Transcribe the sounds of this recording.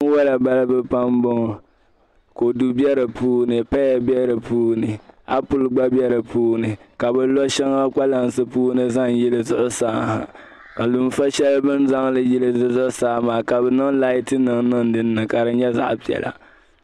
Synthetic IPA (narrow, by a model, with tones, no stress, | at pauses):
ŋ˦wa˦la˨ba˦lbɛ˦pa˦mbʊ˦ŋ˨ | ko˨du˦bɛ˦ɾɨ˨puː˦nɨ˨pa˦jɛ˨bjɛ˦ɾɨ˨puː˦nɨ˨a˦pʊ˦lɡ͡ba˦bjɛ˦ɾɨ˨puː˦nɨ˨ka˨bɛ˨lɔ˦ʃɛ˦ŋa˦k͡pa˦la˦nsɨ˦puː˦nɨ˦za˦ŋji˦lɨ˦zʊ˦ʔʊ˦saː˦ha̰˨ | ka˨lʊ˨mfa˦ʃɛ˦lbɨ˦nza˦ŋlɨ˨ji˦lɨ˦zɨ˦zʊ˦ʔʊ˦saː˦maː˨ka˨bɛ˨nɨ˦ŋla˦i˦tɨ˦nɨ˨ŋnɨ˦ŋ˦dɨ˦nː˦ɨ˨ka˨dɨ˦ɲɛ˦za̰˦ʔpi˨ɛ̰˨lʔa̰˨